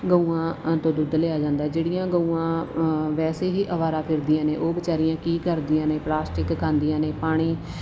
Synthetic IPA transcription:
ɡəũːãːt̪õːd̪ʊd̪leːaːd͡ʒãːnd̪aːɛːd͡ʒeːɽɪjãːɡəuːãːʋɛːseːɦiːʔəʋaːɾãːpʰɪɾd̪ɪjãːneːʔoːbət͡ʃaːɾijãːkiːkəɾd̪ɪjãːneːplaːsʈɪkkʰːãːnd̪ɪjãːneːpaːɽ̃iː

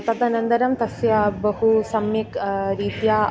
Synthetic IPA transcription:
t̪ɐt̪ɐnɐnd̪ɐɾɐmt̪ɐsjɐbɐɦusɐmːikɾiːt̪jaː

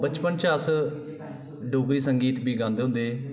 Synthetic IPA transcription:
bət͡ʃpənt͡ʃəs | ɖoːbɾiːsəŋɡiːt̪biːɡãːnd̪eɦʊ̃nd̪eː

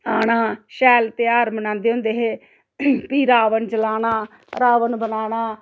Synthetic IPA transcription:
aːɽaːʃɛːlt̪eːaːɾmənãːnd̪eːɦõːnd̪eːɦeː | piːɾaːʋənd͡ʒəlaːnaː | ɾaːʋənbənaːnaː

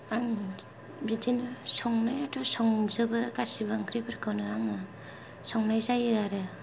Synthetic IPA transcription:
aŋ | bitinɯsɔŋnajatusɔŋzɯbɯkasiβaŋkʰɾibɯɾkʰɯwnɯaŋɯ | sɔŋnajzajɯaɾɯ

